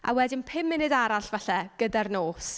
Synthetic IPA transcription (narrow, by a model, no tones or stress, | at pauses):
a̰wɛdɪnpʰɪmːɪnɪdaɾaɬvaɬɛɡ̥ədarnoːs